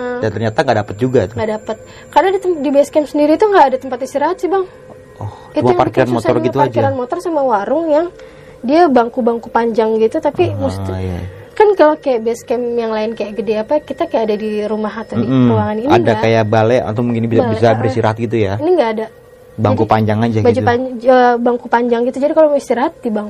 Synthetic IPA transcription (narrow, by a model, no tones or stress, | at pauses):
ʔdant̪ərɲat̪aŋɡaʔdapət̪̚d͡ʒuɡat̪ŋɡadapət̪̚ | kardadit̪əmdibskɛmsəndiɾit̪uŋɡaːdat̪əmpat̪ist̪iɾaɦat̪sibaŋ | ʔɔht͡ʃiumauapakiɾanmmotsɔrɲɡit̪uakd͡ʒiɾanmot̪ɔrsamawaɾʊŋjaŋ | diabaŋkubaŋkupaɲd͡ʒaŋɡit̪ut̪apimust̪ija̰ | kankalokajaʔbiaskɛmjaŋlaɪnkajaʔɡədeapakit̪akajaʔadadiɾumaɦat̪adiəuaŋaninaŋdaakajabalɛa̰t̪omuŋkinbisabisabəɾist̪iɾaɦat̪̚ɡit̪̬ujainiŋɡaːda | baaŋkupaɲd͡ʒaŋad͡ʒaɡbad͡ʒupaəbaŋkupaɲd͡ʒaŋɡit̪ud͡ʒadikaloist̪iɾaɦat̪ːibaŋ